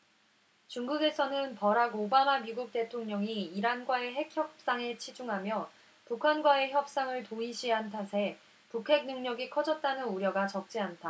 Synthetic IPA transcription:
t͡ɕuŋɡuɡe̞sʰʌnɯnpʌɾaɡobamamiɡuk̚t͈e̞tʰoŋɲʌŋiːɾanɡwae̞ɦe̞kʰçjʌp̚s͈aŋe̞t͡ɕʰid͡ʑuŋɦamjʌ | pukʰanɡwae̞çjʌp̚s͈aŋɯɭtoiɕʰiɦantʰasʰe̞ | pukʰe̞k̚nɯŋɲʌɡikʰʌd͡ʑʌt̚t͈anɯnuɾjʌɡat͡ɕʌk̚t͡ɕ͈iant͈ʰa

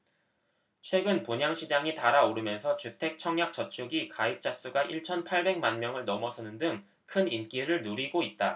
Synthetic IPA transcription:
t͡ɕʰwe̞ɡɯnpuɲaŋɕʰid͡ʑaŋitaɾaoɾɯmjʌnsʰʌt͡ɕutʰe̞k̚t͡ɕʰʌŋɲjak̚t͡ɕ͈ʌt͡ɕʰuɡikaip̚t͡ɕ͈as͈uɡaʔiɭt͡ɕʰʌnpʰaɭbe̞ŋmanmjʌŋɯɭnʌmʌsʰʌnɯndɯŋ | kʰɯnink͈iɾɯɭnuɾiɡoit̚t͈a

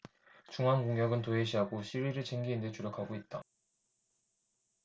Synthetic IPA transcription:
t͡ɕuŋɦankoŋjʌɡɯntoɦeɕ̬ʰiɦaɡoɕʰiɾiɾɯɭt͡ɕeŋɡiːnde̞t͡ɕuɾjʌkʰaɡoit̚t͈a

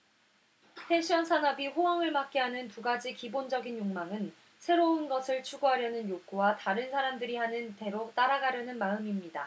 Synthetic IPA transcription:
pʰeɕʰiʌnsʰanʌbiɸowaŋɯɭmak̚k͈iɦanɯnpuɡad͡ʑikibond͡ʑʌɡinjoŋmaŋɯn | sʰe̞ɾounɡʌsʰɯɭt͡ɕʰuɡoɦaɾjʌnɯnjoɡowataɾɯnsʰaɾamdɯɾihanɯnte̞ɾot͈aɾaɡaɾjʌnɯnmaɯmimɲida

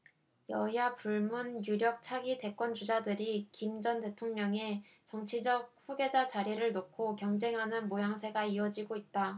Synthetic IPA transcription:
jʌɦiapuɭmunjuɾjʌk̚t͡ɕʰaɡide̞k͈wʌnt͡ɕud͡ʑadɯɾikimd͡ʑʌnte̞tʰoŋɲʌŋe̞ | t͡ɕʌŋt͡ɕʰid͡ʑʌk̚ɸuɡe̞d͡ʑat͡ɕaɾiɾɯɭnokʰokjʌŋd͡ʑe̞ŋɦanɯnmojaŋsʰe̞ɡaiʌd͡ʑiɡoit̚t͈a

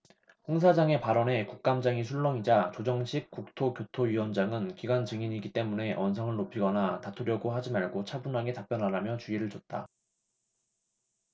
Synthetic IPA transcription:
ɸoŋs̬ʰad͡ʑaŋe̞paɾʌne̞kuk̚k͈amd͡ʑaŋis̬ʰuɭːʌŋid͡ʑat͡ɕod͡ʑʌŋɕʰik̚k͈uk̚tʰokjotʰoɥiwʌnd͡ʑaŋɯnkiɡwant͡ɕɯŋiɲiɡit͈e̞mune̞ʔʌnsʰʌŋɯɭnopʰiɡʌnatatʰuɾjʌɡoɦad͡ʑimaɭɡot͡ɕʰabunɦaɡe̞tap͈jʌnɦaɾamjʌt͡ɕuiɾɯɭt͡ɕʌt̚t͈a

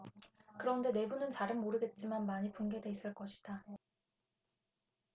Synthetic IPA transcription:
kɯɾʌnde̞ne̞bunɯnt͡ɕaɾɯnmoɾɯɡe̞t̚t͡ɕ͈imanmaɲipuŋɡe̞de̞is͈ɯɭk͈ʌɕʰi̥d̥a

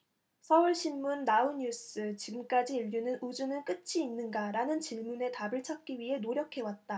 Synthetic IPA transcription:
sʰʌuɭɕʰinːunːauɲus͈ɯt͡ɕiɡɯmk͈ad͡ʑiiʎːunɯnud͡ʑunɯɭk͈ɯt͡ɕʰiːnːɯnɡaɾanɯnt͡ɕiɭmune̞tabɯɭt͡ɕʰak̚k͈iɥiɦe̞noɾjʌkʰe̞wat̚t͈a

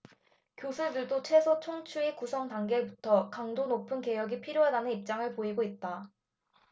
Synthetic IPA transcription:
kjosʰuɭdɯɭdot͡ɕʰwe̞sʰot͡ɕʰoŋt͡ɕʰuikusʰʌŋtaŋɡe̞butʰʌkaŋdonopʰɯnke̞jʌɡipʰiɾjoɦadanɯnip̚t͡ɕ͈aŋɯɭpoiɡoit̚t͈a

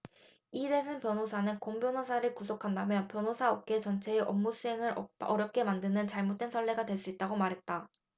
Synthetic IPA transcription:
idesʰɯnpjʌnɦosʰanɯnkombjʌnosʰaɾɯɭkusʰokʰandamjʌnpjʌnosʰaʌp̚k͈e̞t͡ɕʌnt͡ɕʰe̞ːʔʌmːusʰue̞ŋɯɾʌɾjʌp̚k͈e̞mandɯnɯnt͡ɕaɭmot̚t͈we̞nsʰʌɭːe̞ɡadweɭs͈uit̚t͈aɡomaɾɦe̞t̚t͈a

